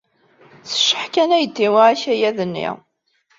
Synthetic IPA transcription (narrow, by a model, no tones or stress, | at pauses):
θə̥ʃːəħkænæjət̪ːiwaʕæçæjæðənːḭʁ